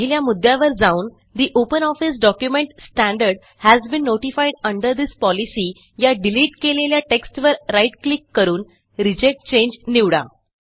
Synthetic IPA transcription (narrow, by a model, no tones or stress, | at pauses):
ɦiljamud̪ːjaʋəɾd͡zauːn | d̪iʔopənɔfis̬ɖɔkjumẽɳʈsʈæ̃ɳɖəɾɖ | hæzbĩnːoʈifajɖəɳɖəɾd̪ispɔlisiː | jaɖiliːʈkeleljaʈeksʈʋəɾːaiʈklikːəɾuːn | ɾid͡ʑek̚ʈ̚t͡ɕẽɲd͡ʑniʋɽa̰